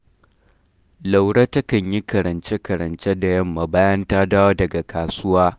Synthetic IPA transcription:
la˨wɽaː˦tɐ˦kɐ˨ɲji˦kɐ˨ɾɐ˨nt͡ʃe˦kɐ˨ɾɐ˨nt͡ʃe˦da˨jɐ˦mːa˨baː˦jɐ˦ntaː˦daː˦wo˦dɐ˨ɡa˨kʰaː˨sʊ˦waː˦

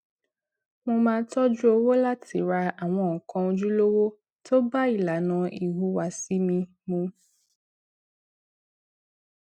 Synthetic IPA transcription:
mõ˧mãː˧˦tɔ˦d͡ʒu˦o˧wo˦la˦tʰi˨ɾa˧a˨w̃ɔ̃˧˨kʰɔ̃˧o˧d͡ʒu˦lo˦wo˦ | to˦ba˦i˨la˨nã˨i˨ɦu˨˧wa˨si˦mĩ˧ | mũ˧

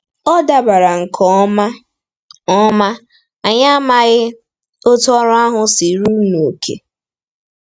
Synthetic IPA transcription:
ɔ˦da˦ba˨ɾa˨ŋ̩˨kʰɔ˦ | ɔ˦ma˦ | a˨ɲa˦a˦ma˦ɣɪ˦ | o˦tɔ˦ɾʊ˦a˦ɦʊ˦si˨ɾu˦no˨o˨kʰḛ˨

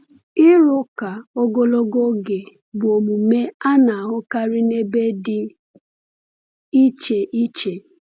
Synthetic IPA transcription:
ɪ˦ɾʊ˦ka˨o˦ɡo˦lo˦ɡo˦ɡe˨ | bʊ˨o˨mu˨me˦a˦na˨a˨ɦʊ˦ka˦ɾɪ˦ne˦be˦dɪ˦ | i˦t͡ʃe˨ʔi˦t͡ʃe˨

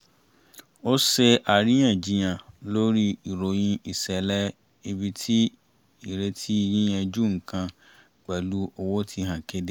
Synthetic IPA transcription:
o˦se˧ʔa˨ɾĩ˦ã˦˨d͡ʒi˨˦j̃ã˨lo˦ɾi˦i˨ɾo˨j̃ĩ˧i˨sɛ˨lɛ˦ | e˧bi˧tʰi˦ | i˨ɾe˧tʰi˦i˦˧jĩ˦j̃ɛ̃˧d͡ʒu˦ŋ̩˨kã˧ | ɡ͡bɛ˨lu˦o˧wo˦tʰi˧˦ɦã˨ke˦de˦

